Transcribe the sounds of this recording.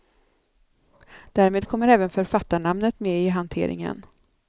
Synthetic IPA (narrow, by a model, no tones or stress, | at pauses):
d̪̥æːɾmeːd̪̚kʰɔmːəɾɛːvənfœɾfat̪ːaɳamnət̪meɪɦant̪ʰḛːɾʔɪ̰ŋə̰n